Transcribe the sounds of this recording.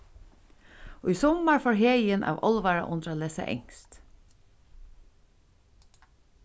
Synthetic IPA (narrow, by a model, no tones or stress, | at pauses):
oːiːsɔmɑɹfoːɹɦeːjənʔɑ̰ːʋʔɔ̰lʋɑɹa̰ʔʊnɾaleːsa̰ʔɛ̰ŋst̪